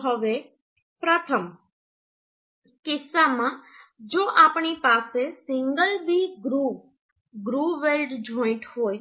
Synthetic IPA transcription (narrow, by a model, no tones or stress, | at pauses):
ɦəʋe | pɾət̪ʰəm | kɪsːamãd͡ʒoʔapɳipasesɪŋɡəlbiɡɾu | ɡɾuʋelɖd͡ʒʱoĩʈɦoj